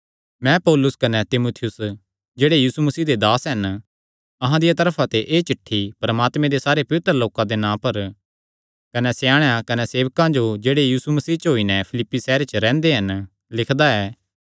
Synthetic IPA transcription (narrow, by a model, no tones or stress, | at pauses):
mɛ̃pɔːlʊskɐnɛt̪ɪmuːt̪ʰɪjʊs | d͡ʒeːɽejiːsumɐsiːd̪ed̪aːsɦɐn | ɐɦãd̪ɪjat̪ɐɾpʰat̪eʔeːt͡ʃɪʈʰːipɾɐmaːt̪mẽd̪esaːɾepɐʋɪt̪ɾəloːkãd̪enãːpɐɾ | kɐnɛsejaːɽ̃jakɐnɛseːʋkãd͡ʒod͡ʒeːɽejiːsumɐsiːt͡ʃɦoːinɛpʰɪlɪpːisɛːɾet͡ʃɾɛ̃ːnd̪eɦɐn | lɪkʰd̪aɛː